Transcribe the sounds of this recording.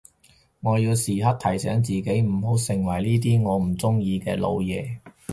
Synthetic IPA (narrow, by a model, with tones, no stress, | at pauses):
ŋɔː˨˧jiː˧wsiː˨ɦɐ˥t̚t̪ʰɐ˨˩jsɛː˨˥ŋt͡siː˨ke˨˥jm̩˨˩ɦo˨˥wsɪ˨˩ŋwɐ˨˩jniː˥t̪̬iː˥ŋɔː˨˧m̩˨˩t͡sʊ˥ŋjiː˧kɛ̰ː˧lo̰˨˧wjɛː˨˧